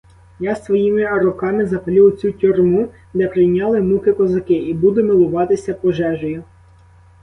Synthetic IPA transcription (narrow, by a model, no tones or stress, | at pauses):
jɑst̪ʋɔjimɪɐɾʊkɑmɪzɐpɐlʲiwt͡sʲutʲʊrmu | d̪ɛpɾɪjnʲɑlˠɪmukɪkɔzɐkɪibud̪ʊmɪlˠʊʋɑt̪ɪsʲɐpɔʒɛʒɔjʊ